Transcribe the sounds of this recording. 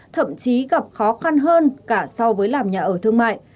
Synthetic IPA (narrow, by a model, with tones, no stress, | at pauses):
t̪ʰə̰˧˨mt͡ɕi˨˦ɣa˨˩p̚xɔ˨˦xa˧nɦəː˧nkaː˧˩sɔ˧wvəː˨˦jlaː˨˩mɲaː˨˩ʔəː˧˩t̪ʰɨ˧əŋma̰ː˧˨j